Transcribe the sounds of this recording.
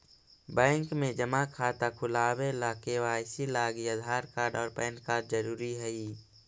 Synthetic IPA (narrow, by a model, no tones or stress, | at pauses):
bɛ̃ːŋkmẽd͡ʒəmakʰaːt̪akʰʊlaːwelaːkewasilaːɡiəd̪ʱaːɾkaːɾɖɔːɾpɛ̃ːnkaːɾɖzəɾuːɾiɦɛiː